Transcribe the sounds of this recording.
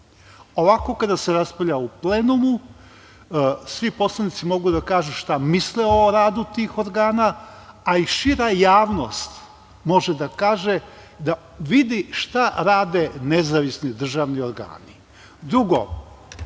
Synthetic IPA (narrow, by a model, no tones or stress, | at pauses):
o̞ʋako̞kad̪aseɾaspaʎʲauplenumu | sʋipo̞slˠanit̪simo̞ɡud̪akaːʒuʃt̪amisleo̞ɾaːd̪ut̪iːxoɾɡaːna | aiʃiɾajaːʋno̞st̪ | mo̞ʒed̪akaːʒe | d̪a | ʋid̪iʃt̪aɾaːd̪e̞nezaʋisnid̪r̩ʒaʋnioɾɡa̰ːni | d̪ɾuɡo̰